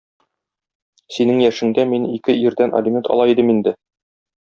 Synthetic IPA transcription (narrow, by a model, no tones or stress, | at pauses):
sinɘŋjæʃɘ̆ŋd̪æminikɘʔiɾd̪ænʔɐ̰lʲɪmʲent̪ɒ̰lˠɑid̪ɘmind̪ɘ